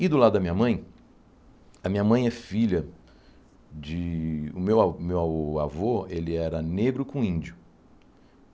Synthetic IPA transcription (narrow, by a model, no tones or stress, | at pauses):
ɪd̪ʊlad̪ʊd̪ɐmĩɲ̃ɐmɐ̃j̃ | ɐmĩɲɐmɐ̃j̃ɛfiʎɐ | d͡ʒɪʊmewamewawavoelɪɛɾɐneɡɾʊkõĩnd͡ʒʊ